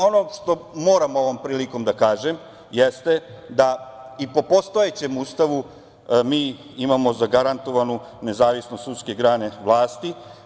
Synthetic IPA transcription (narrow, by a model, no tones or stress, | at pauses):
o̞noʃt̪o̞mo̞ːɾamo̞ʋo̞mpɾiːliko̞md̪akaːʒem | jest̪e̞d̪aipo̞post̪o̞et͡ɕe̞must̪aʋu | miː | imamo̞zaɡaɾant̪o̞ʋanune̞zaːʋisnost̪ut̪ske̞ɡɾaːne̞ʋlˠaːst̪i